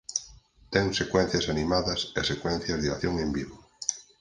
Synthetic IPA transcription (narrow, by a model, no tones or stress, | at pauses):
t̪ɛŋsekwɛn̟θjɐsanimaðɐsesekwɛ̃n̟θjɐzðiaθjoŋẽmbiβo